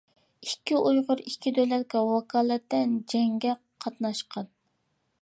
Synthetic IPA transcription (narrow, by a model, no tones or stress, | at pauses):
ikʲːiʔujʁʊɾikʲʰːid̪ølɛt̪̚kʲɛwɑkʰɑːlˠɛt̪ːɛnd͡ʒɛŋɡʲɛ | qʰɑt̪nɑʃqʰɑn